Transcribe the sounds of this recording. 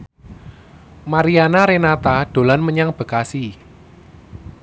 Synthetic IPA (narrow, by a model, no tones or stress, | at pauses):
maɾianaɾenat̪aɖ̥o̤lanməɲaŋb̥ə̤kasi